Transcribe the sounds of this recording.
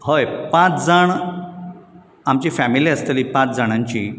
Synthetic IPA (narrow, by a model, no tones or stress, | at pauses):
ɦojpãt͡sd͡zəɳ | amt͡ɕiːfæmiliːəst̪əliːpãt͡sd͡zəɽ̃ãɲt͡ɕḭː